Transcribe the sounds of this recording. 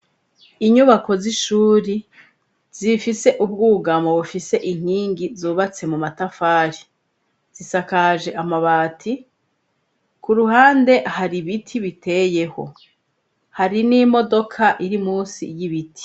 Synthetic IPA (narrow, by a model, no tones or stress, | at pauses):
iɲuβako̞ziʃuːɾi | zifise̞ʔub̚ɡuːɡamoβufise̞ʔiŋ̥hiːŋɡizuːβat͡se̞mumatafaːɾi | z̥isakaʒe̞ʔamaβaːtʰi | kuɾuhaːnde̞haɾiβitʰiβite̞je̞ho̞̰ | haɾinimo̞do̞kʰaʔiɾimuːsḭjiβiti̥